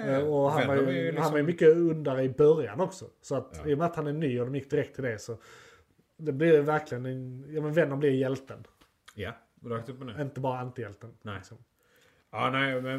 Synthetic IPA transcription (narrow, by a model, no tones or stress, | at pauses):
ɔɦanvaɾjhanvaɾjʉmʏkːəɵnd̪aɾəɪbœɾja̰nɔksɔsɔat̪ijɔmɛat̪hanæɾnyːɔd̪ɔmjɪkːd̪ɪɾɛk̚t̪ʰːɪld̪ɛsɔ | d̪ɛblɪɾjvæɾkʰlɪɡənɛnjɑːmənvɛnːənblɪɾjɛlt̪ən | akt̪ɵp̚ːmɪnt̪əbɑːɾaant̪ɪjɛlt̪ənɪkɪksɔm | ɑːnɛɪm